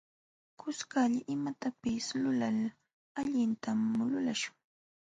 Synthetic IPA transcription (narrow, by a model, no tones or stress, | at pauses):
kʊskaʎaʔɪmat̪apɪslʊlal | aʎɪnt̪amːʊlʊlaʃʊ̥ŋ